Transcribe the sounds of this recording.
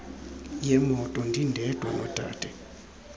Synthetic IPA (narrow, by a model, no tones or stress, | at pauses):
jɛmɔtʼɔndindɛtwa̰nɔ̰tʼa̰tɛ